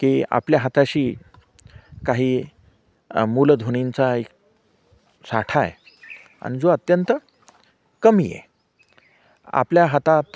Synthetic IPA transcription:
kia̰pljaɦat̪aɕiː | kaɦiː | muld̪ʱoñint͡saek̚ | sa̰ʈʰaje | a̰ɽ̃id͡zoət̪jənt̪ə | kəmijḛ | a̰pljaɦat̪at̪

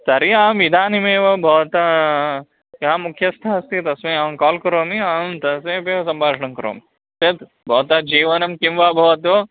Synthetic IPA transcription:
sɐɾiaːmʋid̪ʱaːnimeːʋɐbʱɐʋt̪a | jɐamukʰjɐst̪ʰaːɐst̪it̪ɐsmeaːmkaːlkɐɾoːmiaːmt̪ɐseːpeːʋɐsɐmbʱaːʂɐɳɐmkɐɾo̰ːmi | set̪ | bʱɐʋt̪ɐd͡ʒiːʋɐnɐmkimʋaːbʱɐʋɐt̪o

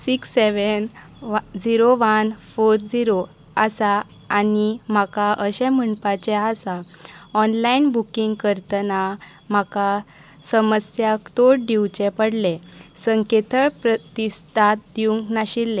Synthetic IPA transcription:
siksːeʋən | d͡ziɾoʋənfoɾd͡ziɾo | asa | anim̤akaʔəɕɛ̃məɳpat͡ɕɛasa | ɔnlainbukiŋɡkəɾt̪na | m̤aka | səməsjakt̪oɽɖiwt͡ɕɛ̃pəɽlẽsəŋket̪ʰəɭpɾət̪ist̪ʰat̪̚d̪iũŋknaɕilːɛ

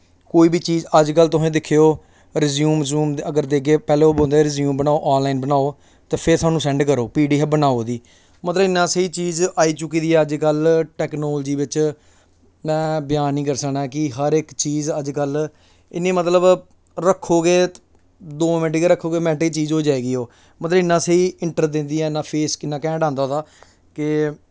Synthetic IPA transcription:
koːiːbiːt͡ʃiːzəd͡ʒkəlt̪ʊsẽːd̪ɪkʰːeoː | ɾɪzjuːmsuːməɡəɾd̪eːkːeːpɛːleːoːbõːnd̪eɾɪzjũːmbənaːoːʔaːnlaːiːnbənaːoː | t̪eːpʰɪɾt̪aːnũːsɛ̃ːɳɖkəɾoːpiːɖiːɦɛbənaːoːd̪iː | mət̪ləbɪnːãːsəiːt͡ʃiːzaːiːt͡ʃʊkːiːd̪iːɛːəd͡ʒkəlʈɛːknoːld͡ʒiːʋɪt͡ʃ | mɛ̃ːbjaːnĩːkəɾsəknaːkɪɦəɾɪkt͡ʃiːzəd͡ʒkəl | ɪnːẽːmət̪ləb | ɾəkʰːoːɡeː | d̪oːmɪʈːɡeːɾəkʰːoːɡeːmɛ̃ːʈːit͡ʃiːzoːd͡ʒaːeːɡiːɦoː | mət̪ləbɪnːãːseiːɪɳʈəɾd̪ɪ̃nd̪iːɛːɪnːãːpʰeːskɪnːãːkɛ̃ːɖãːnd̪aːod̪aː | kɪ

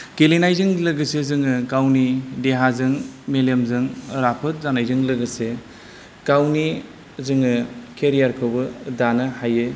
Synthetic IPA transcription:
kelinajzɯŋlɯɡɯsezɯŋɯkawnideɦazɯŋmelemzɯŋɾapʰɯt̚zanajzɯŋlɐɡɯse | kawni | zɯŋɯkʰeɾijaɾkʰɯwbɯdanɯhajɯ

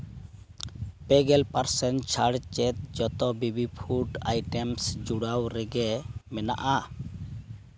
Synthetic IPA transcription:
pɛɡɛlpaɾsɛnt͡ʃʰaɽt͡ʃɛt̪̚d͡ʒɔt̪ɔbibipʰuʈa̰jʈɛmsd͡ʒuɽawɾɛɡɛmɛna̰ʔa

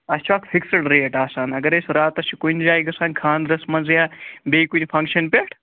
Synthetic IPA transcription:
ɐst͡ʃʰaːkfʰiksɐʈɾeːʈaːsaːnɐɡɐɾesɾaːt̪ɐsʰikunʲd͡ʒaːjɡɐsaːnʲkʰaːnd̪ɾɐsmɐnzjaːbeːjkunʲfʰɐŋkʃɐnpʲeʈʰ

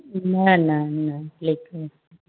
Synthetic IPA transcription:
nananaleka

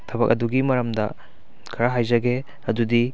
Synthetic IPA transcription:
tʰɐbɐ̰kɐduɡimɐɾɐmdɐ | kʰɐɾaɦajzɐɡe | ɐdudi

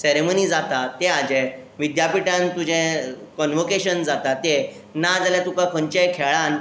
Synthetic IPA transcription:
seɾemonid͡zat̪at̪ead͡ʑɛ | ʋid̪japiʈjãnt̪ud͡ʑɛ̃kɔnʋokeɕənd͡zat̪at̪e | nad͡zaljat̪ũkakʰont͡ɕekʰeɭãn

